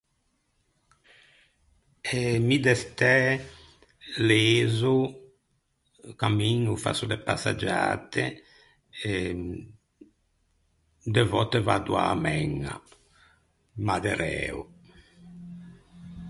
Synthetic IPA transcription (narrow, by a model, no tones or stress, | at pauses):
ɛmid̪ɛst̪ɛ | lezu | kamiɲufa̰sud̪ɛpasa̰d͡ʒa̰ːt̪e | d̪ɛvɔt̪evad̪ua̰mɛŋa̰ | mad̪ɛɾɛ̰ṵ